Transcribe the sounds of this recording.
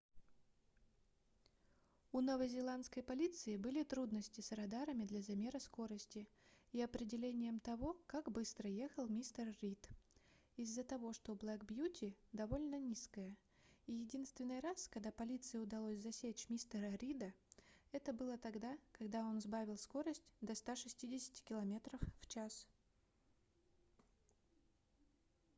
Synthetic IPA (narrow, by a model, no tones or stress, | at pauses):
unovəzʲɪlˠant̪skəjpɐlʲit̪sɨɪbɨlʲɪt̪ɾud̪nəsʲtʲɪsɾɐd̪aɾəmʲɪd̪lʲɐzɐmʲe̞ɾəsko̞ɾəsʲtʲɪiɐpɾʲɪdʲɪlʲenʲɪjəmt̪ɐvo̞kaɡbɨst̪ɾəje̞xəlˠmʲist̪ərɾʲit̪ | ɪzːət̪ɐvo̞ʂt̪oblˠakbjutʲɪd̪ɐvo̞lʲnənʲiskəjə | ijɪdʲin̪st̪vʲɪnːɨjɾaskɐɡ̚d̪apɐlʲit̪sɨjɪʊd̪ɐlˠosʲzɐsʲet͡ɕmʲist̪əɾəɾʲid̪əɛt̪əbɨlˠət̪ɐɡd̪akɐɡd̪ao̞nzbavʲɪlˠsko̞ɾəsʲtʲd̪ɐst̪aʂɨsʲtʲidʲɪsʲɪ̥tʲɪ̥kʲɪlˠɐmʲe̞t̪ɾəfːt͡ɕas